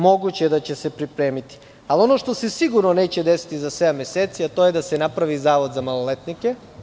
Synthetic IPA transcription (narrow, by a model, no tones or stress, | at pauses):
mo̞ɡut͡ɕeed̪at͡ɕe̞sepɾipɾe̞ːmit̪i̥ | alio̞no̞ʃt̪o̞se̞siɡuɾnone̞ːt͡ɕed̪esi̥t̪izasʋeameseːt̪siat̪o̞jed̪asenapɾaʋizaːʋo̞d̪zamalolet̪nike